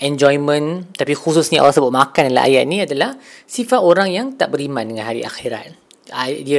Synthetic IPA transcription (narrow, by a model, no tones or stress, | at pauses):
ɛ̃nd͡ʒɔjmə̃nt̪apixususɲaʔa̰lasəbʊʔ̚makandala̰ʔa̰jaʔ̪̚nĩadalahsifat̪oɾaŋjaŋt̪aʔbəɾimãndəŋãnɦaɾiʔa̰xiɾa̰t̪̚ | adi